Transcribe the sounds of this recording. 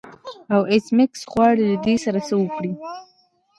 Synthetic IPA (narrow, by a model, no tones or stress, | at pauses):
awesmɪksɣwɑɽilad̪esaɾasəwəkɽi